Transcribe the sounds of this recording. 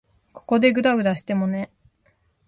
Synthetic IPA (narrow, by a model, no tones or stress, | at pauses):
kʰo̥ko̞d̪e̞ɡɯ̟d̪aɡɯ̟d̪aɕi̥t̪e̞mo̞ne̞